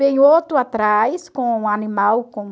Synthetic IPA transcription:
ẽj̃ot̪ʊat̪ɾajskõũanimawkõ

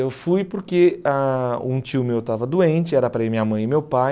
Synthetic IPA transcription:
ewfujpoɾkeaṵ̃t͡ʃiʊmewt̪avɐd̪uẽnt͡ʃɪɛɾɐpɾɐɪmĩɲɐmɐ̃j̃ɪmewpaj

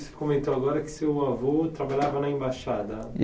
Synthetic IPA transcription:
sɪ̥kõmẽnt̪oaɡɔɾɐkɪ̥sewavot̪ɾabaʎavɐnɐẽbaʃad̪ɐ

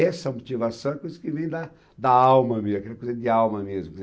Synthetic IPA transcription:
ɛsɐmot͡ʃivasɐ̃w̃ɛkojzɐkɪvẽj̃d̪ɐ | d̪ɐawmɐmezɐkɛlɐkojzɐd̪ɪawmɐmezmʊkɪz

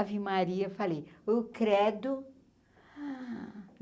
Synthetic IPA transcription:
vimaɾiɐfalejewkɾɛd̪ʊ

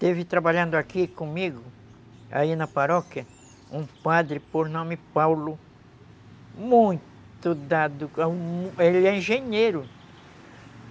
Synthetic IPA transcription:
t̪evɪt̪ɾabaʎɐ̃nd̪ʊakikõmiɡʊ | a̰inɐpaɾɔkjɐ | ũpad̪ɾɪpoɾnõmɪpawlʊ | mũj̃ | t̪ʊd̪ad̪ʊ | elɪɛĩʒẽɲejɾʊ

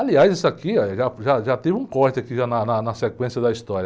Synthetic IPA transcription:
aliajzisʊakiɛʒaʒaʒat̪ivɪũkɔɾt͡ʃ̪ɪakiʒanɐnɐnɐsekwẽsjɐd̪ɐist̪ɔɾjɐ

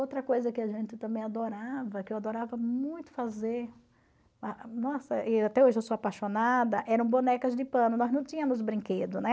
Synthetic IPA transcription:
owt̪ɾɐkojzɐkɪaʒẽnt̪ɪt̪ɐ̃mbẽj̃ad̪oɾavɐkɪewad̪oɾavɐmũj̃t̪ʊ̥fazeɾ | anɔsɐʔat̪ɛoʒɪewsoapaʃonad̪ɐʔɛɾɐ̃w̃bonɛkɐzd̪ɪpɐ̃nʊnɔznɐ̃w̃t̪ĩɲɐ̃mʊzbɾĩŋked̪ʊnɛ

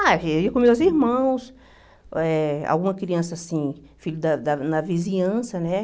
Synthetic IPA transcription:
awiɐkõmewziɾmɐ̃w̃s | ɛa̰wɡũmɐkɾiɐ̃sɐasĩ | fiʎʊd̪ɐd̪ɐnɐvizĩɲɐ̃sɐnɛ

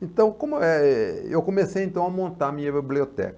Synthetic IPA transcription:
ẽnt̪ɐ̃w̃kõmʊɛɛewkomesejẽnt̪ɐ̃w̃amõnt̪aɐmĩɲɐbibliot̪ɛ̰kɐ

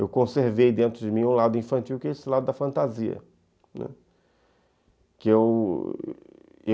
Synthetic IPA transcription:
ewkõseɾvejd̪ẽnt̪ɾʊd͡ʒɪmĩũlad̪ʊĩfɐ̃nt͡ʃiwkɪesɪlad̪ʊd̪ɐfɐ̃nt̪aziɐ̰ | nɛ̰̃ | kɪew | e

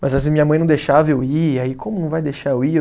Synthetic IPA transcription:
mɐzɐsĩmĩɲɐmɐ̃jnɐ̃w̃d̪ejʃavewiaikʰõmʊnɐ̃w̃vajd̪ejʃaewi

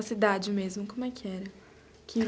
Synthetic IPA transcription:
ɐsid̪ad͡ʒɪmezmʊkõmʊɛkʰɪɛɾɐ | kʰɪ

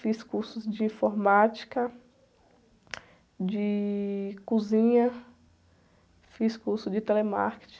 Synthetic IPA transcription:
fiskuɾsʊzd͡ʒɪĩfoɾmat͡ʃi̥kɐ | d͡ʒɪ | kuzĩɲɐ | fiskuɾsʊd͡ʒɪt̪elema̰ɾke̥t͡ʃĩ̥

